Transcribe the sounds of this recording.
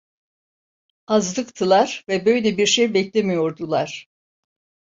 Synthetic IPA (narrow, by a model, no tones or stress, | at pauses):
azd̪ˠɯkt̪ʰɯlˠaɾ̥vɛbø̞jlʲɛbiɾʃejbɛclʲemijo̞ɾd̪ulˠaɾ̥